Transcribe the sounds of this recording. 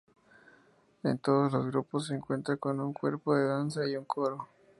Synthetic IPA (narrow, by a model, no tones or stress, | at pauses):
ḛnt̪o̞ðozlo̞zɣɾupos̬ːeːŋkwe̞nt̪ɾako̞nuŋkwe̞̰ɾpoðe̞ðansaiuŋkʰoɾo